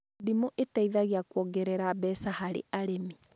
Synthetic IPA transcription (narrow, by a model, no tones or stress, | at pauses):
dimoʔetaiðaɣeakwɔɡɛɾɛɾabɛsahaɾḛʔaɾemi